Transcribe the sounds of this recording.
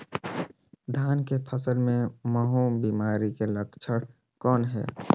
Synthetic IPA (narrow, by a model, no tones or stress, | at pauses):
d̪ʱaːnkepʰəsəlmẽməɦoːbiːmaːɾikeləkt͡ʃʰəɽ | kɔːnɦɛ̰ː